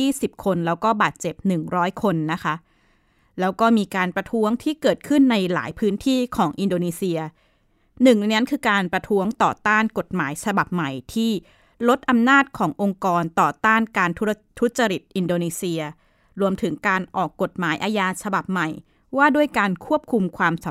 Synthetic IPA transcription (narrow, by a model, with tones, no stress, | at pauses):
iː˥˩si˨˩p̚kʰo˧nlɛː˦˥wkɔː˥˩baː˨˩t̪̚t͡ɕe˨˩p̚nɯ˨˩ŋɾɔː˦˥jkʰo˧nːa˦˥kʰa˦˥ʔ | lɛː˦˥wkɔː˥˩miː˧kaː˧npɾa˧t̪ʰu˦˥əŋt̪ʰiː˥˩kɤː˨˩t̪̚kʰɯ˥˩nːa˧jla̰ː˩˦jpʰɯː˦˥nt̪ʰiː˥˩kʰɔː˩˦ŋʔi˧ndoː˧niː˧si˧ɐ | nɯ˨˩ŋna˦˥nkʰɯː˧kaː˧npɾa˧t̪ʰu˦˥əŋt̪ɔː˨˩t̪aː˥˩nko˨˩t̪̚maː˩˦jsʰa˧ba˨˩p̚ma˨˩jt̪ʰiː˥˩ | lo˦˥t̪̚ʔa˧mnaː˥˩t̪̚kʰɔː˩˦ŋʔo˧ŋkɔː˧nt̪ɔː˨˩t̪aː˥˩nkaː˧nt̪ʰ | t̪ʰu˦˥t̪̚t͡ɕa˧ɾi˨˩t̪̚ʔi˧ndoː˧niː˧si˧ɐ | ɾu˧əmt̪ʰɯ˩˦ŋkaː˧nʔɔː˨˩kːo˨˩t̪̚maː˩˦jʔaː˧jaː˧t͡ɕʰa˧ba˨˩p̚ma˨˩j | waː˥˩du˥˩əjkaː˧nkʰu˥˩əp̚kʰu˧mkʰwaː˧msa˩˦